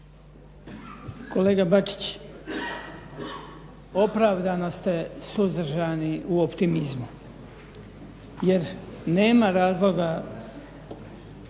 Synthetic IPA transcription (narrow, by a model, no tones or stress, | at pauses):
ko̞le̞ːɡabat͡ʃi̥t͡ɕ | o̞pɾaːʋd̪ano̞st̪esuzd̪ɾ̩ʒaniʔuopt̪imizmu | je̞ɾne̞ːmaɾaːzlo̞ɡa